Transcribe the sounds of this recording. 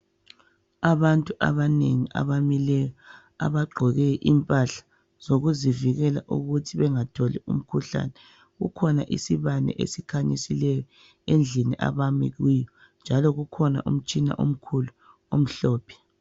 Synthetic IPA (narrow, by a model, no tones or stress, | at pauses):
aβantʼuʔa̰βaneŋiʔa̰βamilɛjɔ | a̰βaɡ͡ǃʱɔɣɛʔimpʼaɬḁ | z̥oɣuziviɣɛla̰ʔuɣutʰiβɛŋatʰɔlɛṵm̩kʰuɬa̰nɛ | ɣṵkʰɔna̰ʔḭsiβanɛ̰ʔḛsikʰaɲisilɛjɔ | end͡ɮʱiniʔa̰βamḭɣwijɔ | nd͡ʒʱalɔɣukʰɔna̰ʔṵm̩t͡ʃʼina̰ʔo̰m̩kʰulu | om̩ɬɔːpʰɛ̥